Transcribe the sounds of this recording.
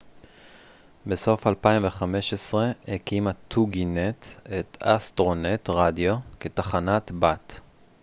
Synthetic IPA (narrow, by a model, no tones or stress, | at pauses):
be̞so̞falpaimveχame̞ʃesʁe̞hekimat̪ʰːuɡinetetastʁo̞net̪ʁadjoketaχanatbat